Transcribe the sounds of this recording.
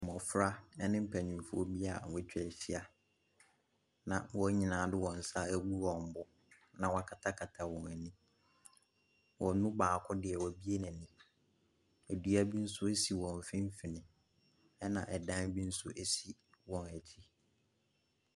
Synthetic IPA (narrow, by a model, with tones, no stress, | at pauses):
mɔ̃˨fɾa˦ɛ˦nɪ̃˦m̩˦˨pʰæ˨ɲĩ˨fʊ˦o˦bi˦a˨wɛ˦t͡ɕᶣɛ˨ɕi˦a˨ | nã˨wɔ˦ɲĩ˨nãː˨˦dɪ˦wɔ̃˨n̩˨sa˦æ˦ɡu˦wɔ̃˨m̩˨bʊ˦ | nã˨wa˨kʰa˨tʰa˦kʰa˨tʰa˨wɔ̃˨næ˨nĩ˦ | wʔɔ˨˦nʊ̃˦baː˨kʰɔ˦dɪ˨ɛ˨wɔ˨bi˦e˦nã˨nĩ˨ | æ˨du˨æ˦bi˦n̩˦sʊ˦e˦si˨wɔ̃˨m˨fɪ̃˦m˦fi˨nɪ̃˨ | ɛ˦nã˨ʔɛ˨dã˦n˦bi˦n̩˦sʊ˦ʔe˦si˦wɔ̃˨næ˨t͡ɕʰi˦